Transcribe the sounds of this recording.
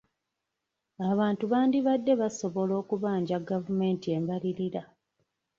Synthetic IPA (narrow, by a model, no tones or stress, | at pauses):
aβaːntuβaːndiβadːe̞βaso̞βo̞lo̞ːkuβaːɲɟaɡavume̞ːntie̞mbaliɾiɾa